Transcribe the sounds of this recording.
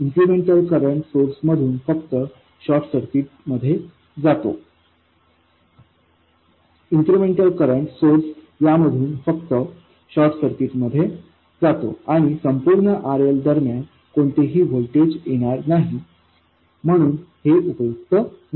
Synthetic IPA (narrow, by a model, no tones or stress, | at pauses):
inkɾumeɳʈəlkəɾəɳʈsoɾsməd̪ʱuːnfək̚t̪ə | ɕɔɾʈsəɾt̪iːt̪̚məd̪ʱːje | d͡zat̪o̰ | insɾumeɳʈəlkəɾəɳʈsoɾs | jaməd̪ʱuːnfəkt̪ə | ɕɔɾʈsəɾt̪iːt̪məd̪ʱːje | d͡zat̪o̰aɽ̃isəmpuːɾɳəʔaɾəld̪əɾmjan | koɳt̪eɦiːʋolʈed͡ʑjeɽ̃aɾnaɦi | m̤əɽ̃uːnheʔupəjuk̚t̪ə